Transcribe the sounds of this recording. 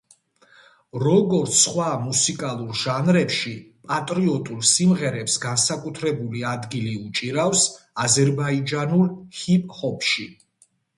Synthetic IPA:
ɾɔɡɔɾt̪sʰːχwamusikʼalˠuɾʒanɾɛpʃipʼat̪ʼɾiɔt̪ʼulˠsimʁɛɾɛpsɡansakʼut̪ʰɾɛbuliad̪ɡiliut͡ʃʼiɾafs | azɛɾbaid͡ʒanulˠhipʼhɔpʃi

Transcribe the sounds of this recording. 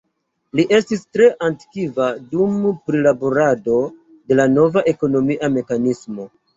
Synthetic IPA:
liʔe̞stistɾe̞ʔanti̥kivadumpɾilaboɾado̞ | de̞lano̞vaʔe̞ko̞no̞miʔame̞kanismo̞

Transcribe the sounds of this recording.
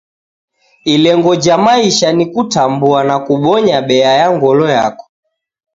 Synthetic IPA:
ilɛŋɡɔd͡ʒamaiʃanikutambuanakuɓɔɲaɓɛajaŋɡɔlɔja̰kɔ̥

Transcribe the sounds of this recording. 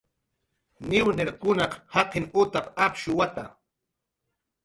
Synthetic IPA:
nɪwneɾkʊnɑqhɑqɪnʊt̪apapʃʊwat̪a̰

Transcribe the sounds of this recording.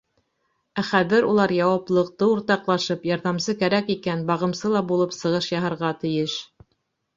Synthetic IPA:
æχæðɘɾulˠɑɾjɑwɑplˠɤ̆q̚t̪ɤuɾt̪ɑqlˠɑʃɤpjɑɾðɑmsɤkæɾækikænbɑʁɤ̆msɤlˠɑbulˠɤpsɤ̆ʁɤʃjɑɦɤ̆ɾʁɑt̪ɘ̆jɘʃ

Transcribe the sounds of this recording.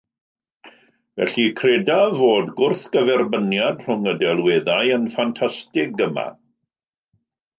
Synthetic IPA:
vɛ̰ɬikʰreɛdavoːdɡʊrθɡ̥əvɛrbənjadr̥ʊŋədɛlˠweːðajənfantʰastɪɡəma̰

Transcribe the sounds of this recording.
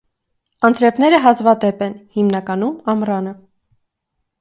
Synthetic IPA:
ɑnt͡sɾɛpnɛɾəɦɑzvɑt̪ɛpɛnhimnɑkɑnumɑmrɑnə

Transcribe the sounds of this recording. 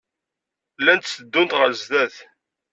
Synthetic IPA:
lːænt̪səd̪ːʊnt̪ʁəɾzðæθ

